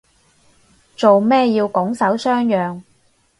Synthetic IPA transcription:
t͡so˨wmɛː˥jiː˧wkɔ˨˥ŋsɐ˨˥wsœː˥ŋjœː˨ŋ

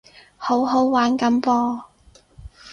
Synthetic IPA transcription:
ho˨˥wɦo˨˥wwaː˨˥nkɐ˨˥mpɔː˧

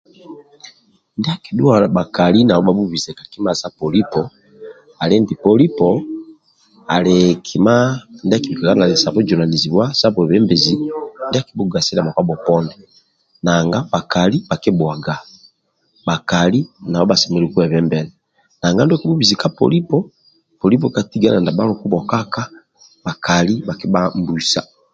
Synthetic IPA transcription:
ndi˦a˦ki˨ɗu˦a˨la˨ba˨ka˨li˦na˨ɔ˦ba˨bu˦vi˨zɛ˨ka˨ki˦ma˦˨sa˦pɔ˨li˦pɔ | a˨lɛ˦ndi˨pɔ˦li˦pɔ | a̰˨lɛ˨kʰi˨ma˦ndɛ˦a˦ki˨bi˨kɛ˨ka˦na˨lɛ˨sa˨βɔ˦d͡ʒɔ˨na˨ni˨zi˨βwa˦sa˦pɛ˨βɛ˦mbɛ˨zi˨ndɛ˦a˦ki˨˦bu˦ɡa˨si˦la˨ma˨kwa˦bɔ˨pɔ˦ndɛ | na˨ŋɡa˦ba˨ka˨li˦ba˨ki˦bwa˨ɡa˨ | ba˨ka˨li˦na˨βɔ˦ba˨sɛ˨mɛ˨lu˨ku˦ɛ˨βɛ˦mbɛ˨lɛ | na˨ŋɡa˦nda˦ki˦bu˦bi˨zi˨ka˦pɔ̰˨li˦pɔ˦ | pɔ˨li˦p̬ɔ˨ka˨ti˦ɡa˦na˨nda˨ba˦ɾu˨ku˦bɔ˨ka˦ka˦ | ba˨ka˨li˦ba˨ki˦ba˦m˦bu˨sa̰˨

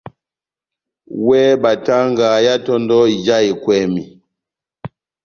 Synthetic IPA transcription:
wɛ˦ba˨ta˦ŋɡa˨ja˦tɔ˦ndɔ˦˨d͡ʒa˦i˨kwɛ˦˨mi˨

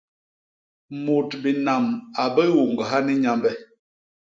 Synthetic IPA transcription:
mo˨tbi˨na˨ma˨bə˦wo˨ŋɡə˨ɦa˦ni˦ɲa˨mbɛ˦

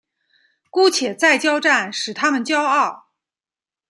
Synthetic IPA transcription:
ku˥t͡ɕʰjɛ˨˩t͡sa˥˩ɪt͡ɕjɑ˥ʊʈ͡ʂa˥˩nʂɻ̩˨˩t̪ʰa˥mə˨nt͡ɕjɑ˥ʊɑ˥˩ʊ

